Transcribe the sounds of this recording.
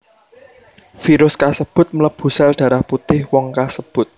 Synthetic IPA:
fiɾʊskasəb̥ʊ̤t̪̚mələb̥ṳsɛld̪̥ä̤ɾahput̪ɪhwɔŋkasəb̥ʊ̤t̪̚

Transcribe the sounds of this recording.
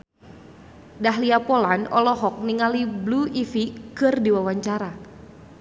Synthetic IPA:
daɦliapɔlanɔ̰lɔɦɔk̚niŋalibluifikɨrdiwawaɲt͡ʃaɾa

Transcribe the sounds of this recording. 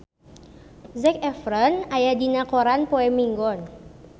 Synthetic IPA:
zɛkɛfɾənajadinakoɾanpoɛmiŋɡɔn

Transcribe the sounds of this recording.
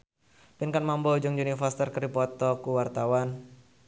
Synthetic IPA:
pinkanmambɔd͡ʒʊŋd͡ʒunifɔrsi̥t̪ərkəɾipɔt̪ɔkuwart̪awan

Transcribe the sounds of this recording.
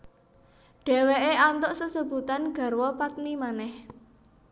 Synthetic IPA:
ɖ̥e̤weʔeʔant̪ɔʔsəsəbṳt̪anɡ̥ä̤ɾwɔpat̪̚mimanɛh

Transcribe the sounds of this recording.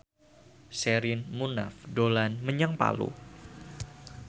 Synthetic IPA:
sɛɾɪnmuna̰fdolanməɲəŋpa̰lṵ

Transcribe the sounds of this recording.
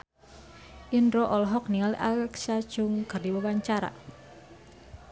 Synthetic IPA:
ʔindɾoʔɔlɦɔk̚nialiʔalɛksad̥ʒ̥ʊŋkərdiwawaɲt͡ʃaɾa̰

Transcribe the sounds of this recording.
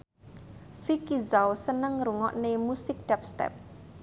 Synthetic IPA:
fikizawsənəŋruŋɔʔnemusɪk̚d̥ɛp̚st̪ɛ̰p̚

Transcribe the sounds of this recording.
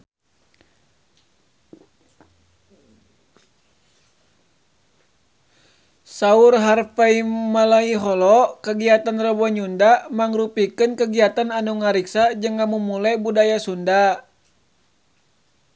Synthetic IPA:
saurɦarfaimalaiɦɔlɔkəɡiat̪anrɔbɔɲundamaŋɾupikɨnkəɡiat̪ananuŋaɾiksad͡ʒɨŋːamumulɛbudajasunda

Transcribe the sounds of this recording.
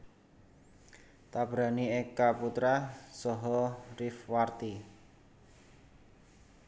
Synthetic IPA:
t̪ab̥ɾa̤niekaput̪ɾasɔɦɔrifwart̪i

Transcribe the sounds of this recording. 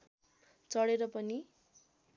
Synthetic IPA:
t͡sʌɽeɾʌpʌni

